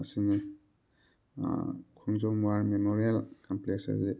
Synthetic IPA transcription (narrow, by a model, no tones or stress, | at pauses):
ɐsini | kʰunzɔmwaɾmemoɾialkampleksa̰zi